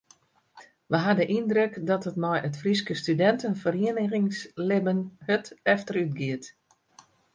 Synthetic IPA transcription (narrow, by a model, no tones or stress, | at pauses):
ʋəɦadəʔindrøkdɔtətmɔjətfriskəstydɛntənfəriənəɣɪŋslɪbənhətɛftəɾytɡɪət